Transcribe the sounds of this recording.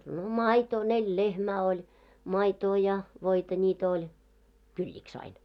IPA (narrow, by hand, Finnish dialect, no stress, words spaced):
no mɑitoː nelʲ lehmæː olʲ mɑitoː jɑ ʋoitɑ nʲiːt olʲ kylʲːiks ɑin